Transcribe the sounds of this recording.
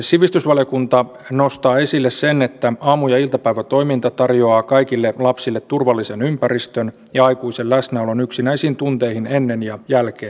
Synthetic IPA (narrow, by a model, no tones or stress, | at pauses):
siʋist̪ysʋɑlijokunt̪ɑ | nost̪ɑːe̞silːessenet̪ːæɑmujɑilt̪ɑpæiʋæt̪oimint̪ɑt̪ɑrjoɑːkɑikilːelɑpsilːet̪t̪ːurʋɑlːisenympærist̪øn | jɑɑikuisellæsnæolonyksinæisiːnt̪unt̪eihinenːenjɑjælkeːn